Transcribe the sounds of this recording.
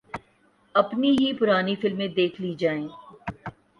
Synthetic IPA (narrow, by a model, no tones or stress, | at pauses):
ɐpniɦipʊɾaːnifɪlmẽd̪eːkʰliːd͡ʒaːẽː